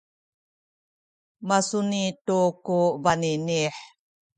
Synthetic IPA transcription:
masunitukuvaniniħ

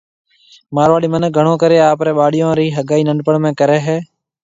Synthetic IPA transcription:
maːɾʋaːɽiːmənək̚ɡʱəɳõːkəɾeːaːpɾeːɓaːɽɪjõːɾiːɦəɡaːiːnəɳɖpəɳmẽːkəɾɛːɦɛː

